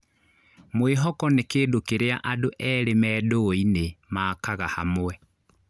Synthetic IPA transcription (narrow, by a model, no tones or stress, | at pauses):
mweɦɔkɔnekeːdokeɾeaʔadoʔɛɾemɛːdoinemaːkaɣahamwɛ